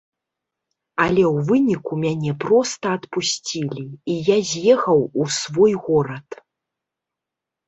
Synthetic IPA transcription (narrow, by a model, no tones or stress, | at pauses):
ɐlʲɛwvɨnʲikumʲanʲɛpɾɔst̪ɐɐt̪pusʲt͡sʲilʲiijazʲjɛxɐwusvɔjɣɔɾɐt̪